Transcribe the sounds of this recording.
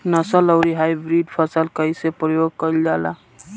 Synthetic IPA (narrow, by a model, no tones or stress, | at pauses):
nəsələʊɾiɦajbɾiɖpʰəsəlkəisepɾəjoɡ̚kəild͡ʒala̰